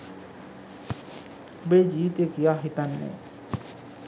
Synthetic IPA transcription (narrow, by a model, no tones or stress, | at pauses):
bed͡ʒiːt̪ekijaɦit̪anːḛ